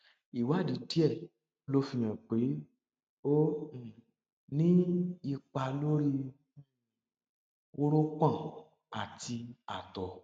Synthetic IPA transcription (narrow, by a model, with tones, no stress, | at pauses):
i˨wa˨˦˨di˨˦di˦ɛ˦˨ | lo˦fĩ˧j̃ã˨k͡pe˨˦ | o˦˨ | nĩ˦i˧k͡pa˧lo˦ɾi˧ | o˦ɾo˦k͡pã˦˨ | a˨ti˧a̰˨tɔ˨